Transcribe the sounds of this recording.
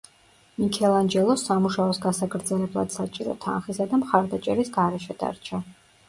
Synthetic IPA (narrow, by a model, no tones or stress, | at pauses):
mikʰɛlˠand͡ʒɛlˠɔsamuʃaɔsɡasakʰɾd̪zɛlɛblˠa̰d̪̥sat͡ʃʼiɾɔ̰t̪ʰa̰nχisad̪amχaɾd̪at͡ʃʼɛɾisɡaɾɛʃɛd̪̥a̰ɾt͡ʃʰa